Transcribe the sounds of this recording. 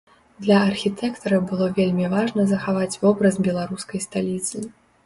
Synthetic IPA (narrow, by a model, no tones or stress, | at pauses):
d̪lʲɐɐrxʲit̪ʰɛkt̪ɐɾɐbɨlˠɔvʲelʲmʲivaʐnɐzɐxavat͡sʲvɔbɾɐzbʲɛlˠaɾuskɐjst̪alʲit̪sɨ